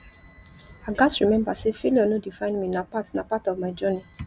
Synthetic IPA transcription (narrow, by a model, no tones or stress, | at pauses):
aɡasɹimɛ̃mbasefiliɔnõdifãɪ̃nmĩnapatnapatɔvmaɪd͡ʒɔni